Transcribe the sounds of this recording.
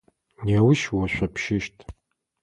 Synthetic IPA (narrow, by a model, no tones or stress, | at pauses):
nawʊʃwaʃᶣʷapʰʃɪʃtʼ